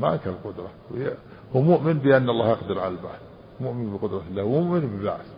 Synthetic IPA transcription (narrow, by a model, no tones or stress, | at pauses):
ma̰ʔakalqʊd̪ɾˤɑwj | wmʊʔmɪnbɪʔanːɑlˤːɑːhjɑqd̪ɪɾˤʕalalba̰ʕθ | mʊʔmɪnbɪqʊd̪ɾˤɑlːaːhwmʊʔmɪnbɪba̰ʕθ